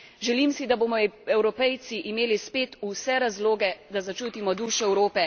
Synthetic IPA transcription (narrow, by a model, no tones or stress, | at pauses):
ʒɛliːmsid̪aboːmɔɛwɾɔpɛjt̪siʔimeːlispeːt̪usɛɾazloːɡɛd̪azat͡ʃuːt̪imɔd̪uːʃɔɛwɾoːpɛ